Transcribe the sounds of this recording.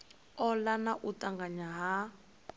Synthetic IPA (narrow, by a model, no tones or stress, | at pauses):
ɔlanaʔutaŋɡaɲaɦa